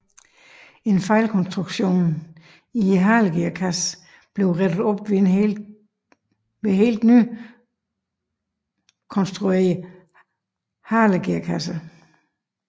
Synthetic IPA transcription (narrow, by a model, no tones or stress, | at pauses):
e̝nfɑ̈ɪlkʰɒ̽nsd̥ʁuɡ̥ɕo̝̰ːn | iɦɑ̈ːləɡ̥eɐkʰæs | b̥le̝ʊʁɛd̥ð̩ˠɒ̽b̥ʋe | ʋe̝ɦe̝̰ːld̥nyː | kʰɒ̽nsd̥ʁue̝ɐ | hɑ̈ːləɡ̥eɐkʰæsə